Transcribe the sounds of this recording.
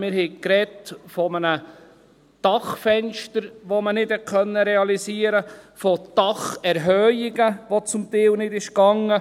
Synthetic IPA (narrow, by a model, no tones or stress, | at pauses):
mɪɾhɛkɾɛtfɔmənə | d̥ɑχfɛnʃtəɾʋomənɪd̥hɛtkʰœnːəɾɛɑlisiəɾəfɔd̥ɑχɛɾɦœɪɡəʋot͡sʊmt̪ɛːwnɪdɪʃkɑŋːə